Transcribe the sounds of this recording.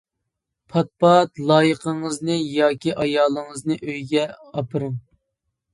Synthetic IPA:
pʰɑt̪̚pɑt̪lˠɑːjəqʰəŋəznɨjɑːkʲiʔɑjɑːlˠəŋəznɨʔøjɡʲɛɑpʰɨɾɨŋ

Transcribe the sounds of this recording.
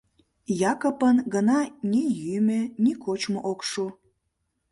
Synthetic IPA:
jɑkopənɡənɑnʲejymenikot͡ɕmoʔokʃu

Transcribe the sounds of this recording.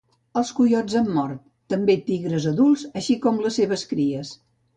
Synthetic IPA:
əlˠskujɔd͡zəmːɔrt̪ːəmbet̪iɣɾəzəðulˠzəʃikɔmləseβ̞əskɾiəs

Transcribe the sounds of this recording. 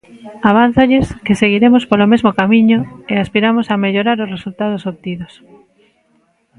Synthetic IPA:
aβ̞an̟θoʎɪskɪseɣiɾemʊspolomezmokamiɲʊeaspiɾamʊsameʎoɾaɾʊsresult̪aðosoβt̪iðos

